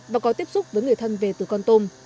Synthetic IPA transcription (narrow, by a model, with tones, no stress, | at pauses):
vaː˨˩kɔ˨˦t̪i˦˥əp̚sʊ˦˥k͡p̚vəː˨˦jŋɨ˨˩əjt̪ʰə˧nve˨˩t̪ɨ˨˩kɔ˧nt̪o˧m